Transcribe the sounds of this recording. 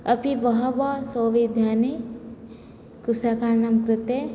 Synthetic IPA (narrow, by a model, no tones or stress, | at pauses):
ɐpiʋɐɦɐbaːsoːʋid̪ʱjaːni | kusakaɾnɐmkɾɪt̪e